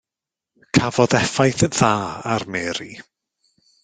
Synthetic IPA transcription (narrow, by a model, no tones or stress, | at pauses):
kʰavɔðɛfajθðaːarmɛːɾi